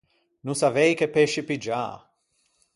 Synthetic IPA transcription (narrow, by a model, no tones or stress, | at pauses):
nũsavejkepeʃipid͡ʒa̰